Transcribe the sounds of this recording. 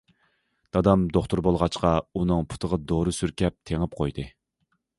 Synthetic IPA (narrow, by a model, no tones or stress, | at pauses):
d̪̥ɑd̪ɑmd̪oχt̪ʰʊɾbolˠʁɑt͡ʃqɑunɨŋpʰu̥t̪ʰəʁɑd̪oɾɨsyɾkʲɛp̚t̪ʰeŋɨp̚qʰojd̪ɨ